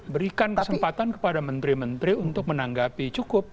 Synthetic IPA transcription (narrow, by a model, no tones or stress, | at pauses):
bəɾikankəsəmpat̪ankə̥padamənt̪ɾimənt̪ɾiunt̪ʊk̚mənaŋɡapit͡ʃukʊp̚